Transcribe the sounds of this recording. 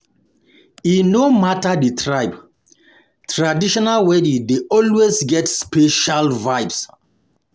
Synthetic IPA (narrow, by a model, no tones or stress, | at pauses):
inomataditʰɹajb | tʰɹadiʃɔnalwɛdideʔɔlwesɡɛtspeʃalvajbs